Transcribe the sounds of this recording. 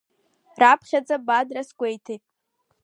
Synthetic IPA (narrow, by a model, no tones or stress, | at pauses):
rapʰχʲad͡zabadrasɡʷe̞jtʰejtʼ